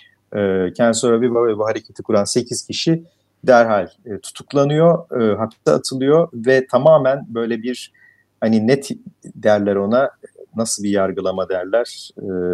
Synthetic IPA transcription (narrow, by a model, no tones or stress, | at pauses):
ɛːcʰænd̪soɾabivavɛbuɦaɾecʰet̪ʰikʰuɾanse̞cʰiz̥cʰiʃi | d̪æɾɦalʲɛːt̪ʰu̥t̪ʰuklˠanɯjo̞ɯɦapi̥sɛa̰t̪ʰɯlˠɯjo̞vɛt̪ʰamaːmænbø̞jlʲɛbiɾ̥ | haninɛt̪ʰd̪æɾlʲæɾo̞nanasɯlˠbijaɾɡɯlˠamad̪ɛɾlʲæɾ̥